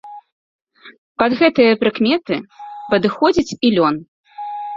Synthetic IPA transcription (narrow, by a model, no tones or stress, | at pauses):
pɐd̪ɣɛt̪ɨjɐpɾɨkmʲɛt̪ɨpɐd̪ɨxɔd͡zʲit͡sʲilʲɔn